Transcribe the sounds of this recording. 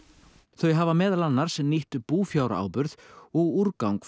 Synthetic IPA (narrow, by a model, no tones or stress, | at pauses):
θœɥɦavamɛːðalanːaɾ̥sniht̪puːfjawɾa̰a̰ːwpʏɾðɔɣuɾkawŋk